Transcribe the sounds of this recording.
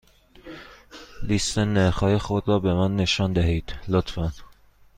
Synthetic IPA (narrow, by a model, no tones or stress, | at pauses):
list̪eneɾxɒːjexod̪ɾɒːbemænːe̞ʃɒːnd̪æɦiːd̪̥lot̪fæn